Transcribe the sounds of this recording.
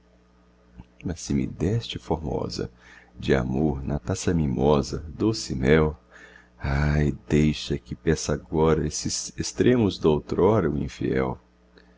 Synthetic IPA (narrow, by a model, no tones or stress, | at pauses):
mɐsɪmɪ̰d̪ɛst͡ʃɪfoɾmɔ̰zɐ̰d͡ʒɪa̰moɾnɐt̪asɐmĩmɔzɐd̪osɪmɛw | ajd̪ejʃɐkɪpɛsaɡɔɾɐesɪzest̪ɾẽmʊzd̪owt̪ɾɔɾɐʊḭ̃fḭɛ̰w